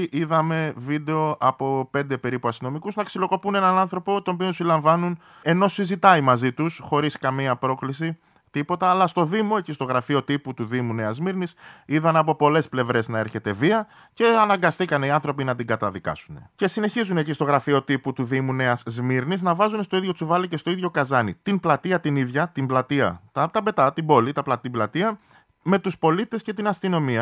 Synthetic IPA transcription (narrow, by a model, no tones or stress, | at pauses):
ʔiðɐme̞vid̪e̞o̞ʔɐpo̞pe̞nd̪e̞pe̞ɾipuɐst̪ino̞mikuznɐksilo̞ko̞pune̞nɐnɐnθɾo̞po̞t̪o̞pionsilɐɱvɐnun | e̞no̞sizit̪ɐimɐzit̪usxo̞ɾiskɐmiɐpɾo̞klisi | t̪ipo̞t̪ɐːlɐst̪o̞ðimo̞ecist̪o̞ɣɾɐfio̞t̪iput̪uðimune̞ɐzmiɾnisiðɐnɐp̬o̞po̞le̞sple̞vɾe̞znɐe̞ɾçe̞t̪e̞viɐ | ce̞ɐnɐŋɡɐst̪ikɐneiɐnθɾo̞pinɐt̪iŋɡɐt̪ɐðikɐ̰sune̞ce̞sine̞çizune̞cist̪o̞ɣɾɐfio̞t̪iput̪uðimune̞ɐzzmiɾniznɐvɐzunst̪oiðʝo̞t͡suvɐlice̞st̪o̞iðʝo̞kɐzɐnit̪inblɐt̪iɐt̪iniðʝɐt̪imblɐt̪iɐ̰t̪ɐt̪ɐbe̞t̪ɐt̪ibo̞lit̪ɐplɐt̪iblɐt̪iɐ | me̞t̪uspo̞lit̪e̞sce̞t̪inɐst̪ino̞miɐ